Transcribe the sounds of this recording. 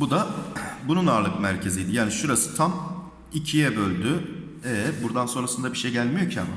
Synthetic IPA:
bud̪abununaːɾlˠɯkmæɾcʰe̞zijd̪ijaːniʃuɾasɯ̥t̪ʰam | icʰijɛbølʲd̪y | ɛbuɾd̪anso̞nɾasɯnd̪abiʃejɟælʲmijo̞ɾcʰama

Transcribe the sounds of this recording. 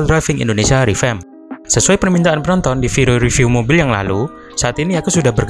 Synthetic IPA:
ldɾajfɪŋḭndonesiaɾifɛm | səsuajpərmint̪aanpənɔnt̪ɔndifiɾuɾifiumobɪljaŋla̰lu | saat̪iniakusudahbərk

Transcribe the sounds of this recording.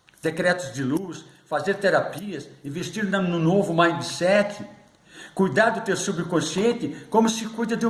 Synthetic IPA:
d̪̥ekɾɛt̪ʊzd̪ɪlus | fazeɾt̪eɾapiɐsĩvest̪iɾnɐnʊnovʊmãj̃d̪ɪsɛt͡ʃɪ | kujd̪aɾd̪ʊt̪ewsubɾɪkõsiẽnt̪ɪkõmʊsɪkujd̪ɐd̪ɪũ

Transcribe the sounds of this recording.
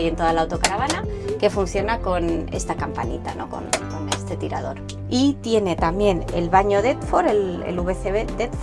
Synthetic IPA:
je̞nt̪o̞ð̞alawt̪o̞kaɾaβ̞anake̞funθjo̞nako̞ne̞̰st̪akampa̰nḭt̪ano̞̰ko̰nko̞nest̪e̞t̪iɾa̰ðo̞ɾ | it̪je̞ne̞t̪ambje̞ne̞lβaɲo̞ðet̪fo̞ɾelḛluβeθeβed̪et̪f

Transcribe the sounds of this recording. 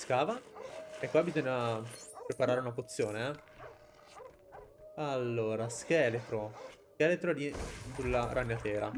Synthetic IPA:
skaːvaekːwabizoɲːapɾepaɾaːɾeunapot̪sːjoːneɛ | alːoːɾask̟ɛːlet̪ɾoskɛːlet̪ɾod̪isulːaɾʔanːjat̪ɛːɾa

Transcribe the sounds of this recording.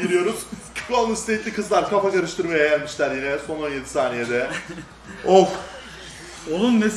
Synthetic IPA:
iɾijo̞ɾuz̥cʰɾalˠnust̪ʰeit̪lʲikʰɯzlˠaɾkʰafakaɾɯʃt̪ʰɯɾmajaɟjælʲmiʃlʲæɾjinɛso̞no̞nje̞d̪i̥saːnijed̪ɛ | ok | onunmes

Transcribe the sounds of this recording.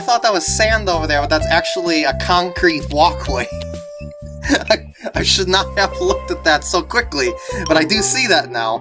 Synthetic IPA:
aɪθɔt̪̚ðət̚wʌz̥sæ̃ndoʊvə˞ðə˞bʌt̪̚ðætsæk̚t͡ʃul̩ˠiɨkʰɑ̃ŋkʰɹ̥it̚wɔkʰweɪ | aɪ | aɪʃɨdⁿnət̚həvlʊk̚tɨt̪̚ðætsoʊkʰw̥ɪklib̥ʌɾaɪdɨsiðɨtⁿnaʊ

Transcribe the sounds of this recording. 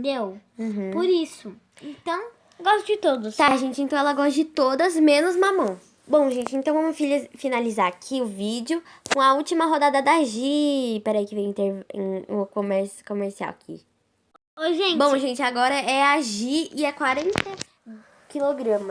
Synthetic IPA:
d̪ewũpoɾisʊ | ẽnt̪ɐ̃w̃ | ɡɔst̪ʊd͡ʒɪt̪od̪ʊst̪aʒẽnt͡ʃɪẽt̪ɐ̃w̃ɛlɐɡɔsd͡ʒɪt̪od̪ɐzmẽnʊzmɐ̃mɐ̃w̃ | bõw̃ʒẽnt͡ʃɪẽnt̪ɐ̃w̃vɐ̃mʊfilfinalizaɾakʰiʊvid͡ʒʊkõɐut͡ʃimɐɦod̪ad̪ɐd̪aʒipɛɾɐikɪvẽj̃ĩt̪eɾḛ̃ʊkõmɛɾsʊ̥kõmeɾsia̰wakʰḭ | ojʒẽnbõʒẽnt͡ʃɪaɡɔɾɐɛaʒiɪɛkwaɾẽt̪e | kiloɡɾɐ̃mɐ

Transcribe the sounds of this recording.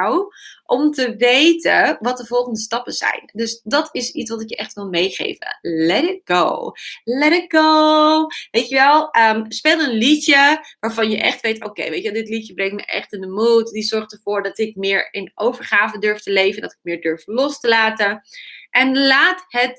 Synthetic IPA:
wʔɔmtəʋejtəʋɑt̚dəvɔlˠχəndəstɑpəz̥ɛ̰jndɵsdɑtɪsitsʋɑtɪkjəʔɛχtʋɪlˠmejχḛjvə̰lɛɾɪt̚ɡo̰wlɛɾɪt̚ɡ̥o | ʋejtəʋɛlˠəmspeːlˠənlitəʋaːɹvɑnjəʔɛ̰χtʋejto̰kḛjʋḛjtʋɛlˠdɪtlijəbrɛŋ̚tmə̰jʔɛ̰χtɪndəmutdizɔɹχtəɹv̥ʊːɹdɑtɪk̚mɪːɹɪnʔowvəɹχaːvədøɹftəlejvəndɑtɪk̚mɪːɹdøɹflɔstəlaːtənʔɛnlaːtɦət

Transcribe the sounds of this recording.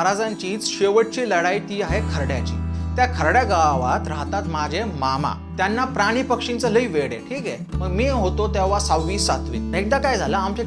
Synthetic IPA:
ɾad͡zaɲt͡ɕiːt͡sɕeʋəʈ̚t͡ɕiːləɽajit̪iːaɦekʰəɾɽjat͡ɕḭːt̪jakʰəɾɽjaɡaʋʋat̪ɾaɦt̪at̪mad͡ʑʱemama̰ | t̪janːapɾaɽ̃iːpəkʂint͡sələiːʋeɽḛʈʰiːkɛ | məɡmiːɦot̪ot̪jaʋasawʋiːsat̪ʋḭːek̚d̪akajd͡zʱaləamt͡ɕe

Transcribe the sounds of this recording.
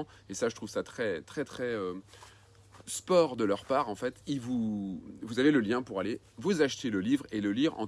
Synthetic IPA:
esaʒət̪χuvsat̪χɛt̪χɛt̪χɛø | spɔʁd̪əlœʁpaːʁɑ̃fɛt̪ilvuvuzaveləljɛ̃puʁale | vuzaʃt̪eləlivʁeləliʁɑ̰̃

